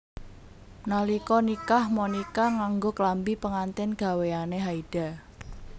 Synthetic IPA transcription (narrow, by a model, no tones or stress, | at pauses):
nalikɔnikahmɔnikaŋaŋɡoklambipəŋant̪ɪnɡ̥a̤weaneɦaid̥a̤